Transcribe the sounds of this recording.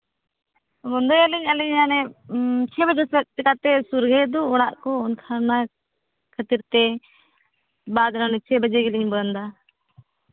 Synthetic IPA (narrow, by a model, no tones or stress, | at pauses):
ɡɔnd̪ɔjaliɲaliɲanɛt͡ʃʰɛbəd͡ʒɛsɛt̪̚t̪ɛkat̪ɛsuɾɡɛd̪ɔːɽaʔkɔɔnkʰaɾna | kʰət̪iɾt̪ɛ | bad̪lɔnɛt͡ʃʰɛbəd͡ʒɛɡɛliɲbənd̪a